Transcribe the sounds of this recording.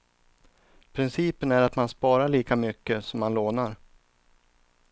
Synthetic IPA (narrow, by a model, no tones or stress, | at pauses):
pʰɾɪnsiːpənæɾat̪manspɑːɾaɭiːkamʏkːəsɔmːanloːnaɾ